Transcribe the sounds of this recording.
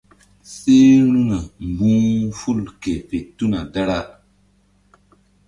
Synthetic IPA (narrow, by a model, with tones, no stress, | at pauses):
se˦ɾu˦na˨m˨bũː˦fu˦˨lke˨fe˨tu˦na˨da˦ɾa˦